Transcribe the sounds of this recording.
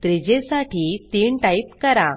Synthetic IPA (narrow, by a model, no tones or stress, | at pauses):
t̪ɾid͡ʑesaʈiːt̪iːɳʈaip̚kəɾa